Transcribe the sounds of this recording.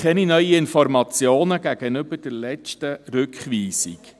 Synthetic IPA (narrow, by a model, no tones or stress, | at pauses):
χɛninœʏiɪnfɔɾmɑt͡sjoːnəɡ̥æɡ̥ənʏbəɾd̥əɾlɛt͡ʃtəɾɵkχʋiːsḭk